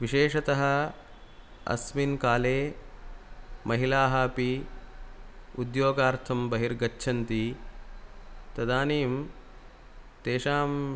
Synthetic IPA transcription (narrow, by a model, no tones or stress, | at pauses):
ʋiʃeːʃɐt̪ɐɦɐ | ɐ̰sminkaːleː | mʔɐɦilaːɦɐpi | ud̪joːɡaːɾt̪ʰɐmbɐɦiɾɡɐtːʃʰɐnt̪i | t̪ɐd̪aːniːm | t̪eːʃaːm